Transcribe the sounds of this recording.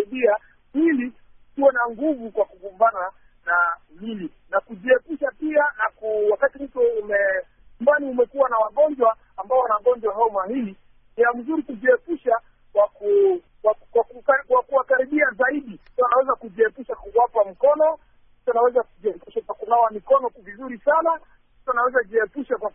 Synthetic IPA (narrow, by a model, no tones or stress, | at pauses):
iɓia | hili | tuwɛnaŋɡuvukwakuɡumbana | namili | nakuʄiɛpuʃapianakuwakatimm̩tɔumɛ | umbaniumɛkuwanawaɠɔɲd͡ʒwaːmbaɔwanaɠɔɲd͡ʒwaɦaɔmahili | niam̩zuɾikuʄiɛpuʃa | kwaku | wakwaukwakuwakaɾiɓiazaiɗissanawɛzakuʄiɛpuʃakuwapam̩kɔnɔ | i̥sanawɛzakuʄiɛpuʃakakunawamikɔnɔkvizuɾisana | si̥sanawɛzaʄiɛpuʃakwa